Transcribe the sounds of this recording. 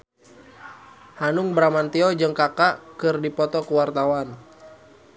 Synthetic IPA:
hanʊŋbɾamant̪iɔd͡ʒɨŋkakaʔkɨrdipɔt̪ɔkuwart̪awan

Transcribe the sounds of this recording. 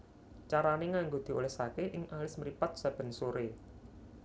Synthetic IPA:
t͡ʃaɾaneŋaŋɡod̪̥i̤o̰lɛhsakeʔɪŋalɪsməɾipat̪̚sab̥ə̤nsoɾe

